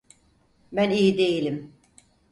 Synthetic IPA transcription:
bænijid̪e̞jilʲim

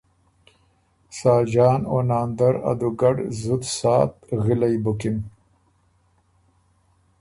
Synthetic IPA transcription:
saːd͡ʒaːno̰naːnd̪aɾa̰d̪uɡaɖzud̪saːt̪ɣilajbukin

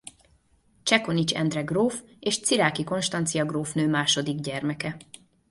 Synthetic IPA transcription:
t͡ʃɛko̞nit͡ʃɛ̰nd̪rɛɡroːfeːʃt̪siɾaːkiko̞nʃt̪ɒnt̪sijɒɡroːfnøːmaːʃo̞d̪iɡɟɛrmɛkɛ

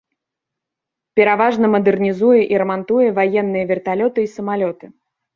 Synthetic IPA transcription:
pʲɛɾavaʐnɐmɐd̪ɛrnʲizujɛʔiɾɐmant̪ujɛvajɛnːɨjɐvʲɛrt̪alʲɔt̪ɨisɐmalʲɔt̪ɨ

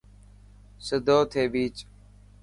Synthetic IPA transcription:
səd̪ʱoːt̪ʰeːbiːt͡ʃ

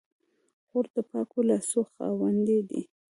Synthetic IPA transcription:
ɣoɾd̪əpɑkolasoxɑ̰wand̪ed̪ḭ

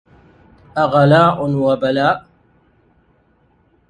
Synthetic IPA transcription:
aʁɐlaːʔʊnwɐbɐlaːʔ

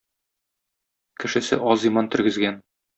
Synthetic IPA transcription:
kɘ̆ʃɘ̆sɘ̰ʔɒzimɑnt̪ɵ̆ɾɡɘ̆zɡæn

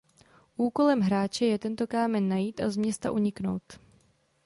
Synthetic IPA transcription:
ʔuːko̞lɛmɦɾaːt͡ʃɛjɛt̪ɛnt̪o̞kaːmɛnːajiːt̪ʔazmɲɛst̪a̰ʔuɲɪkno̞̰wt̪

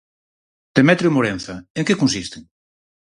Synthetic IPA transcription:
d̪̥emɛt̪ɾjomoɾẽn̟θɐeŋkekõnsist̪ɪŋ

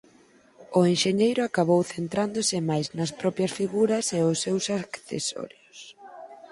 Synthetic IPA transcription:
ʊenʃeɲejɾʊakaβowθent̪ɾand̪ʊsɪmajznɐspɾɔpjɐsfiɣuɾɐsɛʊsːewsakθḛsɔ̰ɾjos

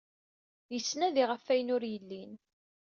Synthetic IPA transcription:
jəsːnæðiʁəfːæjənʊɾjəlːin

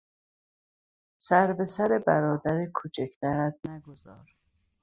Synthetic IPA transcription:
sæɾbe̞sæɾebæɾɒːd̪æɾekʰot͡ʃʰecʰt̪æɾæt̪̚næɡozɒ̰ːɾ

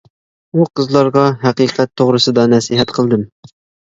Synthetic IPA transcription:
uqʰəzlˠɑɾʁɑɦæqiqæt̪ʰːoʁɾəsəd̪ɑnɛsiɦɛt̪qʰəlˠd̪ɨm

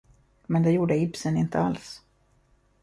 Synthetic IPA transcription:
mɛnd̪ɛjuːɖəɪbsənɪnt̪ʰəals

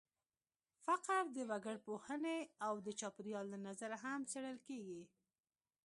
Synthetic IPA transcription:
faqaɾd̪əwaɡəɽpohəneawd̪ət͡ʃɑpɪɾjɑlːanazaɾaɦamseɽəlkeɡi

